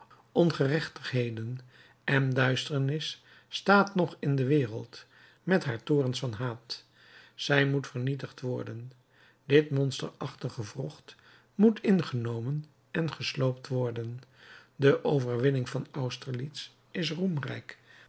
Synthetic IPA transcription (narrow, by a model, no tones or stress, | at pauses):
ʔɔnχərɛχtəχɦejdən | ʔɛndœɥstəɹnɪsː | taːtnɔχɪndəʋɪːrə̰lˠt | mɛtɦaːɹtoːrənsfɑnɦaːt | z̥ɛjmutfəɹnitəχtʋɔɹdən | dɪtmɔnstəɹɑχtəχəvrɔχt | mutʰɪnχənowmən | ɛnχəslowp̚tʋɔɹdəndəʔowvəɹʋɪnɪŋvɑnʌwstəɹlits | ɪsrumrɛ̰jk